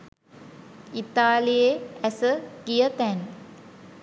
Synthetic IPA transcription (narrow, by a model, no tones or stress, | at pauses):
it̪aːlijeæsəɡijət̪æn